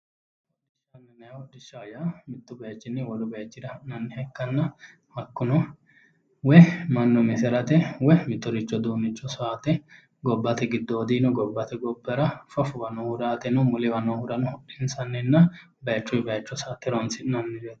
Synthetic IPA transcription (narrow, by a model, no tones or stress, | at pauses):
ɔdʃɐnːɛnɐjɔd̪ɪʃːajamɪt̪ːʊbɐjɐt͡ʃːɪnːɪwɔɾʊbɐjɐt͡ʃːɪd̪ɐɪnɐnːɪhɛkːɐnːɐ | hɐkːʊnɔ | wɛmɐnːɔmɪsɛɾɐt̪ɛwɛmɪt̪ːɔɾɪt͡ʃːɔd̪uːnɪt͡ʃːɔsɔaːt̪ɛ | ɡɔbːɐt̪ɛɡɪd̪ːɔːd̪iːnɔɡɔbːɐt̪ɛɡɔbːɛɾɐfɔfʊbɐnɔhʊɾaːt̪ɛnɔmʊlɪbɐnɔhʊd̪ɐnɔhɔʔɪnsɐnːɛnːɐ | bɐjɐt͡ʃːʊbɐjɐt͡ʃːɔsat̪ːɛɾɔnsɪnɐnːɪbet̪